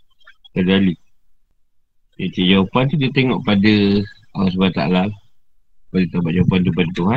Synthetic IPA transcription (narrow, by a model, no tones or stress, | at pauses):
k̪əɡali | et͡ʃiʔjawpant̪udit̪eŋɔʔpadə | awas̬bat̪a̰lal | padit̪abaʔjawpant̪upadət̪uɦa